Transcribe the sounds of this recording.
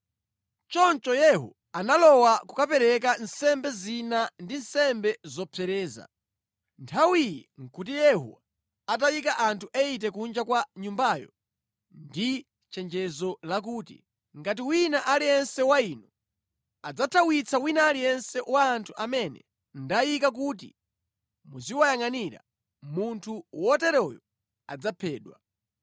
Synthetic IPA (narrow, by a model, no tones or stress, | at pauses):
t͡ʃɔnt͡ʃɔjɛɦṵ | analɔwakukapɛɾɛk̬an̩sɛmbɛzinandinsɛmbɛzɔpʰɛɾɛːza̰ | ntʰawijɛŋ̩kut̬ijɛhṵ | at̬ajikaʔantʰuʔɛit̬ɛkund͡ʒakwaɲumbaːjɔ̰ | ndi | t͡ʃɛnd͡ʒɛzɔlak̬uːtḭ | ŋɡat̬iwinaʔalijɛnsɛwainɔ | ad͡zatʰawit͡sʰawinaːlijɛnsɛwaːntʰuʔamɛnɛ̰ | ndajikak̬uːt̬i | muziwajaŋaniɾa̰ | muntʰuwɔtɛɾɔjɔ | a̰d͡zapʰɛːɗwa̰